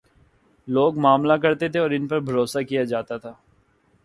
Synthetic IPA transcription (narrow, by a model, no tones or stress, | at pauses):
loːɡmaːmlakɐɾt̪et̪ʰeɔːɾɪnpɐɾbʱɐɾoːsakijad͡ʒaːt̪at̪ʰaː